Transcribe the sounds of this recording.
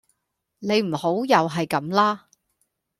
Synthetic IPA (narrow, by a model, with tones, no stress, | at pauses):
ne˨˧jm̩˨˩ho˨˥wjɐ˨wɦɐ˨jkɐ˨˧˥mlaː˥